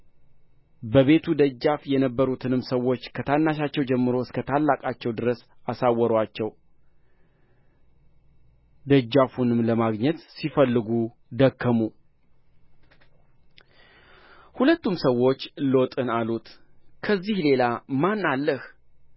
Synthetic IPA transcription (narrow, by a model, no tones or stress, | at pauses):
bəβe̞t̪ʰud̪əd͡ʒːafjɛnəbːəɾut̪ʰɨnɨmsəwːo̞t͡ʃːkʰət̪ʰanːaʃat͡ʃːɛwd͡ʒɛmːɨɾo̞ɨskət̪ʰalːakʼat͡ʃːɛwd̪ɨɾəsasawːɔɾwat͡ʃːɛw | d̪əd͡ʒːafunɨmləmaɡɲɛt̪sifəlːɨɡu | d̪əkʰːəmu | hulət̪ːumsəwo̞t͡ʃːlot̪ʼɨnalut̪kʰəzːihle̞lamanːalːəh